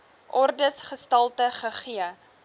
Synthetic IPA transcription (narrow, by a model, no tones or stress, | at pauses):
ʔɔrdəsχəstɐlˠtəχəχiə